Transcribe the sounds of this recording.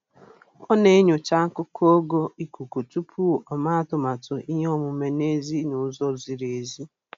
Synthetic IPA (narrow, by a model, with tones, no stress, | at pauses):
ɔ˦ne˦e˦ɲʊ˨t͡ʃa˦ŋ̩˦kʊ˦kʰo˦ɡo˦i˨ku˨ku˨tu˦pʰu˦ɔ˨ma˦a˦˨tʊ˨ma˨tʊ˨ʔi˦ɦɔ˦mʊ˨me˨ne˦zi˦nʊ˨˦zɔ˦zi˨ɾe˨zi˦